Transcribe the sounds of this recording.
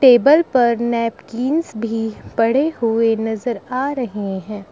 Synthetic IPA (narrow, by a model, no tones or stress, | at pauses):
ʈeːbəlpɐɾnɛːpkiːnsbʱipɐɽ̤eɦʊenɐzəɾaːɾɐɦeɦɛ̃ː